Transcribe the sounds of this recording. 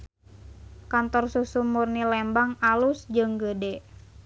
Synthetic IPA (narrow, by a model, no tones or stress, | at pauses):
kant̪ɔrsusumurnilɛmbaŋalusd͡ʒɨŋɡədɛ